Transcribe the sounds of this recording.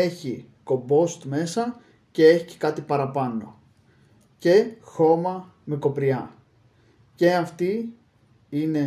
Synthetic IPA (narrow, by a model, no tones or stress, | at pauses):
e̞çi | ko̞bo̞st̪me̞sɐ | ce̞e̞çi̥ce̥kɐt̪ipɐɾɐpɐno̞̰ | ce̞xo̞mɐ | meko̞pɾiɐ | ce̞ɐft̪i | ine̞